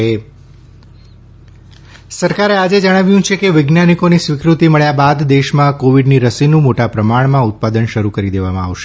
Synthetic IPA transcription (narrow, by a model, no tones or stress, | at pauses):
e | səɾkaɾead͡ʒed͡ʒəɽ̃aʋjũt͡ʃʰekeʋɪɡnanikonisʋikɾut̪iməɭjabad̪d̪eʃmãkoʋiɖniɾəsinũmoʈapɾəmaɳmãʊt̪̚pad̪ənʃəɾukəɾid̪eʋamãa̰ʋʃe